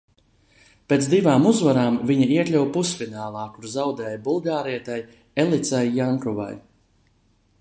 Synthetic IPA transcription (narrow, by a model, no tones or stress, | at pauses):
peːt̪sd̪ivaːmuzvaɾaːmviɲaiɛklʲuwpusfʲinaːlˠaːkuɾzawd̪ɛːjbulˠɡaːɾiɛt̪aj | elˠit̪sajːaŋkɔva̰j